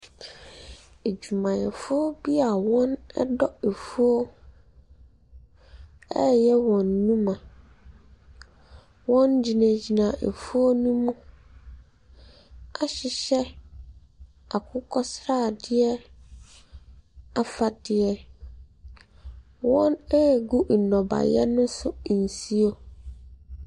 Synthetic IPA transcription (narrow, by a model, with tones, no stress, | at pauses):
e˨d͡ʑu˨mã˨jɛ˨fʊ˦ɔ˦bi˦a˨wɔ̃˦nɛ̰˦dɔ˦e˨fu˦o˦ | ɛ˦jɛ˦wɔ̃˨nːũ˦mã˨ | wɔ̃˦nd͡ʑi˨nã˨d͡ʑi˨nã˨ʔḛ˨fu˦o˦nũ˦mũ˦ | a˨ɕɪ˨ɕɛ˦ | a˨kʰʊ˦kʰɔ˦sɾa˦˨dɪ˦ɛ˦ | a˨fa˨dɪ˨ɛ˦ | wɔ̃˦nɛ˦˨ɡu˦n̩˨nɔ̃˨ba̰˨jɛ̰˦nʊ̃˦sʊ˦˨n̩˨si˦o˦